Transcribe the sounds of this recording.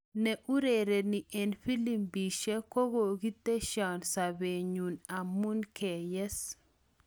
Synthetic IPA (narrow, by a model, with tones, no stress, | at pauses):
nɛʔu˦ɾeɾɛ˨ni˨ʔɛnfi˦limbiʃɛko˦ɡo˨ɡi˦t̪ːɛ˦ʃa˨nsa˨be˨ɲuna˨mːunkʰe˨jɛ˦s